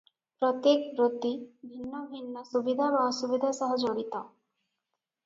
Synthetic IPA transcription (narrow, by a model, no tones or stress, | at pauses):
pɾɔt̪jekbɾot̪ibʱinːɔbʱinːɔsubid̪ʱaɾɔɔsubid̪ʱasɔɦɔd͡ʒoɽit̪ɔ